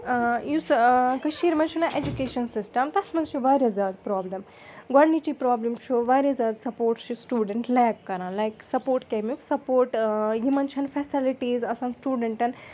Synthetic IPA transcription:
juskɐʃiːɾmɐnt͡ʃʰunɐʔed͡ʒukeːʃɐnsisʈɐmt̪ɐsʰmɐnt͡ʃʰuʋaːɾɐzaːd̪pɾaːblɐm | ɡɐɽnit͡ʃipɾaːblɐmt͡ʃʰuʋaːɾʲezaːd̪sɐpoːɾʈt͡ʃʰusʈuːɖeɳʈlɛːkːɐɾãːnlajksɐpoːɾʈkemiksɐpoːɾʈjimɐnt͡ʃʰɐnfesiliʈiːzɐsãːnsʈuːɖeɳʈɐn

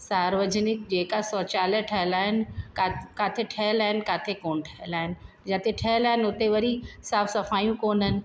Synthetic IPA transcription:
saːɾʋəd͡ʑnɪk̚d͡ʑeːkasɔːt͡ɕaːleʈʰɐɦɪlaːɦɪnɪkakaːt̪ʰeʈʰɐɦɪlaːɦɪnɪ̆kaːt̪ʰekoːnʈʰɐɦɪlaːɦɪnɪ̆ | d͡ʑaːt̪eʈʰɐɦɪlaːɦɪnʊt̪eʋɐɾisaːfsɐfaːjũkoːnənɪ̆

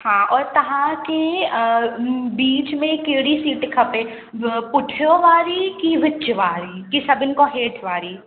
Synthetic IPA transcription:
hãːɔːɾt̪ɐɦãke | biːt͡ʃmẽkeːɽisiːʈkʰɐpẽː | pʊʈʰjoʋaːɾikiʋɪt͡ʃːt͡ʃʋaːɾiːkisɐbɪnkoɦeːʈʰʋaːɾiː

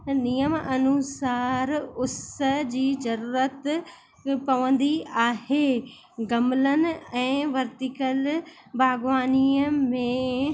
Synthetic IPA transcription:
nijəmɐnusaːɾʊsəd͡ʑiːzɐɾuːɾət̪ | pɐʋə̃nd̪iaːɦeː | ɡɐmlənɪ̆ɛ̃ːʋɐɾt̪ɪkəl | bʱaːɡʋaːniːəmẽ

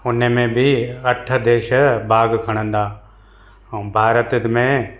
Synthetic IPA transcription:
ʊnemẽbʱiɐʈʰəd̪eːʃbʱaːɡkʰɐɽ̃ə̃nd̪aː | bʱaːɾət̪mẽ

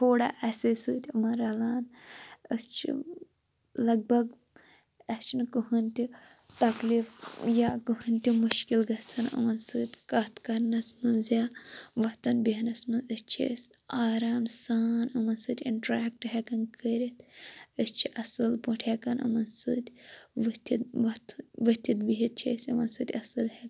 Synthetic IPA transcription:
t̪ʰoːɽa̰ːʔɐsɨsɨːt̪ʲɨmɐnɾɐlaːnəst͡ʃʰḭ | lɐɡ̚bɐɡ | ɐst͡ʃʰinkɨɦɐnʲt̪i | t̪ɐkliːfjaːkɨɦɨnʲt̪ʲimuʃkilɡɐht͡sʰɐnɨ̰mɐnsɨːt̪ʲkɐt̪ʰkɐɾnɐsmɨnzjaːʋɐt̪ɐnbiɦnɐsmɐnzɨst͡ʃʰḭsʲ | aːɾaːmsaːnɐmɐnsɨt̪ʲḭɳʈɾaːk̚ʈɦekɐnkəɾʲit̪ʰəst͡ʃʰiʔɐsɨlpuʈʰeːkɐnɐ̰mɐnsɨt̪ʲʋɨt̪ʲit̪ʋɐt̪ʰʋɨt̪ʲit̪biɦit̪̚t͡ʃʰḛsʲɐʋɐnsɨt̪ʲɐsɨlhek

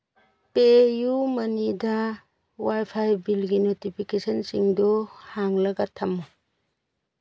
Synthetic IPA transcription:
pejumɐnida | wajpʰajbilɡinotipʰikesɔnsiŋdɔhaŋlɐɡatʰɐmːɔ

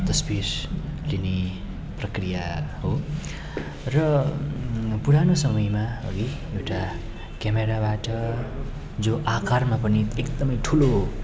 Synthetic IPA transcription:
t̪ʌsbirline | prʌkrijaɦo | rʌ | puɽanosʌmʌjmaʌ̰ɡi | ewʈa | kjameɾabaʈʌ | d͡zoʔakarmapʌniekd̪ʌmʌjʈʰulo

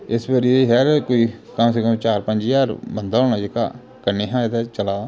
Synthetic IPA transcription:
ɪsbəɾieɦɛːɾkoːiːkəmseːkəmt͡ʃaːɾpə̃ɲd͡ʒjaːɾbənd̪aːoːnaːd͡ʒeka̰ː | kəneːɦãːet̪ɛːt͡ʃəlaː

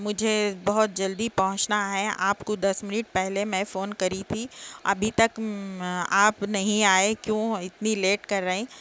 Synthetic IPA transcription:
mʊd͡ʒʱebɐɦʊt̪̚d͡ʒɐld̪ipɐɦʊ̃t͡ʃnaɦɛaːpkod̪ɐsmɪnɪʈ̚pɛɦlemɛ̃foːnkɐɾit̪ʰiɐ̰bʱit̪ɐk | aːpnɐɦĩaːekjõːɪt̪nileːʈkɐɾːɐɦĩː

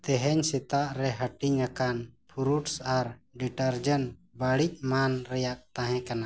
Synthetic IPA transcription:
t̪ɛɦɛɲsit̪aʔɾɛɦəʈiɲɾakanpʰuɾuʈsaɾɖiʈəɾd͡ʒənbaɽic̚manɾɛjaʔt̪ãɦɛ̃kana

